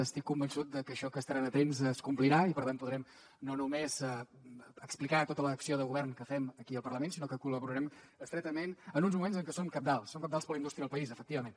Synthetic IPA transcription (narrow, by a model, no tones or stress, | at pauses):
əst̪ikːumbənsut̪̚d̪əkəʃɔkəst̪əɾanət̪emzəskumpliɾaipəɾt̪anpuðɾɛm | nonumez | əksplikat̪ot̪ələːksioðəɣuβɛrnkəfɛməkiəlˠpərɾləmensinokəkuləβuɾəɾɛm | əkst̪ɾɛt̪əmenənunzmumenzəŋkəsomkap̚d̪alˠsːoŋkad̪alˠspəɾləind̪ust̪ɾiəðəlpəizəfək̚t̪iβəmen